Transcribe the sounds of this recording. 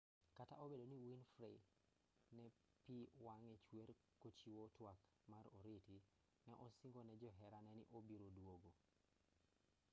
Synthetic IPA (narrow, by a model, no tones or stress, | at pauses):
kata̰ʔobedoniwinfɾɛ̰ | nɛ | piwaŋɛt͡ʃweɾ | kot͡ʃiwɔtwak | maɾoɾiti | nɛʔɔsiŋɡonɛd͡ʒɔɦɛɾanɛniʔobiɾodwoɡo